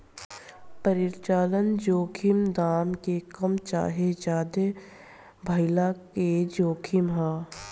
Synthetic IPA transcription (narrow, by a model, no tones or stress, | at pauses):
pəɾɪɾt͡ʃaːlənd͡ʒoːkʰɪmd̪aːmkekəmt͡ʃa̰ːɦed͡ʒaːd̪e | bʱəɪlaked͡ʒoːkʰɪmɦaː